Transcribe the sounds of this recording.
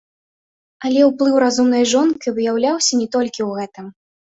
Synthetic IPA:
ɐlʲɛwplˠɨwɾazumnɐjʐɔnkɨvɨjawlʲawsʲɐnʲɛt̪ɔlʲkʲiwɣɛt̪ɨm

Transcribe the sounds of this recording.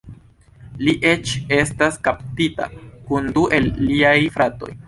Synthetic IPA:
liʔe̞t͡ʃe̞staskap̚tita̰kunduʔe̞lːiajfɾato̞̰j

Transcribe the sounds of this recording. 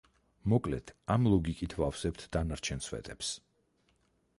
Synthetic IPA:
mɔkʼlɛt̪ʰamlˠɔɡikʼit̪ʰvafsɛp̚t̪ʰd̪anaɾt͡ʃʰɛnsvɛ̰t̪ʼɛps

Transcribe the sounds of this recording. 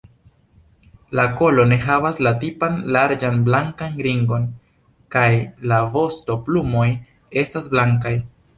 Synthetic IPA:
lako̞lo̞ne̞ɦavaslatipanlaɾd͡ʒanblaŋkanɡɾiŋɡo̞n | kajlavo̞sto̞plumo̞j | e̞stasblaŋkaj

